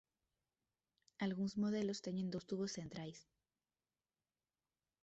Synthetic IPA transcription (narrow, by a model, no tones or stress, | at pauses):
alɣunozmo̞ð̞e̞lo̞st̪e̞nend̪o̞st̪uβosθe̞nt̪ɾals